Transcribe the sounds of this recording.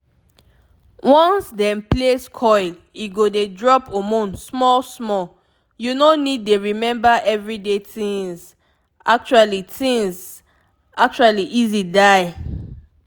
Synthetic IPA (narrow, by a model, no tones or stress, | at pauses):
wɔ̃nsdɛ̃mpleskʰɔɪl | iɡodedɹɔpʰomũnsmɔlsmɔl | junonid̚ːeɹimɛ̃mbaʔɛvɹidetĩŋz | ak̚t͡ʃualitʰĩŋz | ak̚t͡ʃualiʔizidaɪ